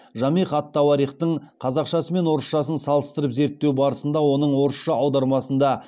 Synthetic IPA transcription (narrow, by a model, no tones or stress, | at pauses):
ʒɑmiχɑt̪ːɑwɑɾijχt̪əɴqʰɑzɑqʃɑsəme̞nwo̞ɾəsʃɑsənsɑlˠəst̪əɾəpze̞ɾt̪ːe̞wbɑɾəsənd̪ɑwo̞nəɴwo̞ɾəsʃɑɑwd̪ɑɾmɑsənd̪ɑ